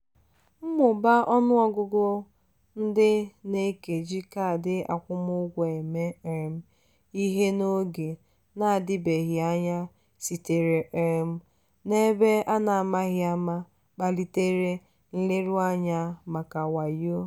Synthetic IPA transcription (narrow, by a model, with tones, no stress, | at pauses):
m̩˦mʊ˨ba˦ʔɔ˦nʊ˦ɔ˦ɡʊ˦ɡʊ˦ | n̩˦dɪ˦ne˦ke˨d͡ʒi˦ka˨dɪ˦a̰˨kʷʊ˦mʊ˦ɡʷe˨me˦e˨ɾm̩˦ | i˦ɦe˦no˦ɡe˨ | na˦a˨dɪ˦be˨ɣɪ˨a˦ɲa˦ | si˨te˨ɾe˨ʔe˨ɾm̩˦ | ne˦be˦a˦na˨a˨ma˦ɣɪ˦a˦ma˦ | k͡pa˨li˦te˦ɾe˦ | n̩˦le˦ɾu˦a˦ɲa˦ma˨ka˨wa˨jo˦